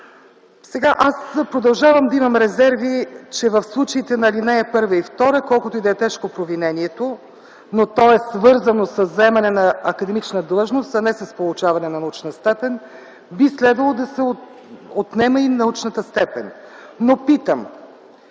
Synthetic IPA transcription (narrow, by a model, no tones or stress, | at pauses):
sɛɡaʔaspɾod̪ɐlˠʒavəmd̪ɐimɐmɾɛzɛɾvit͡ʃɛvəfslˠut͡ʃəit̪ɛnɐlinɛɛpɤɾvəift̪ɔɾəkɔlˠkʊt̪oid̪ɛt̪ɛʃkopɾovinɛnʲiɛt̪o | not̪ɔɛsvɤɾzənosəzɐɛmɐnɛnɐɐkəd̪ɛmit͡ʃnəd̪lˠɤʒnost̪ɐnɛsɐspolˠʊt͡ʃavɐnɛnɐnɐut͡ʃnəst̪ɛpɛn | bislɛd̪vɐlˠod̪ɐsɛo | ot̪nɛməinɐut͡ʃnət̪əst̪ɛpɛn | nopit̪əm